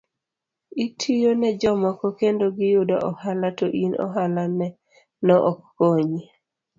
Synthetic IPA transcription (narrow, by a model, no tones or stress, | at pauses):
itʰijonɛd͡ʒɔmɔkɔkendoɡɪjʊda̰ʔɔhalatoʔinɔ̰ɦalanɛ | nɔʔɔkːoɲi